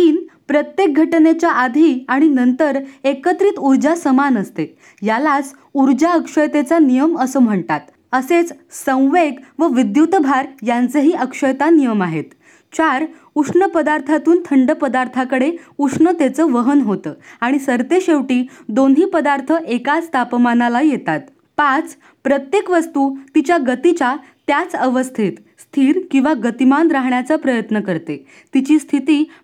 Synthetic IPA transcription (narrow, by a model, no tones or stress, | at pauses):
t̪iːnpɾət̪jek̚ɡʱəʈnet͡ɕjaʔad̪ʱiːaɽ̃inənt̪əɾekət̪ɾiːt̪uɾd͡ʑasəmanəst̪e | jalat͡s | uɾd͡ʑaəkʂəjt̪et͡sanijəməsəːm̤əɳt̪at̪ | əset͡s | sə̃w̃ʋeɡʋəʋid̪jut̪bʱaɾjant͡səɦiːʔəkʂəjt̪anijəmaɦet̪ | t͡ɕaɾ | uʂɳəpəd̪aɾt̪ʰat̪uːnt̪ʰəɳɖəpəd̪aɾt̪ʰakəɽeukʂɳət̪et͡səːʋəɦənɦot̪əːaɽ̃isəɾt̪eɕeʋʈiːd̪onɦiːpəd̪aɾt̪ʰəʔekat͡st̪ʰapmanalajet̪at̪ | pat͡s | pɾət̪jekʋəst̪uːt̪it͡ɕjaɡət̪it͡ɕa | t̪jat͡səʋəst̪ʰit̪ | st̪ʰiːɾkĩw̃ʋaɡət̪imanɾaɦɳjat͡sapɾəjət̪nəkəɾt̪e | t̪it͡ɕiːst̪ʰit̪iː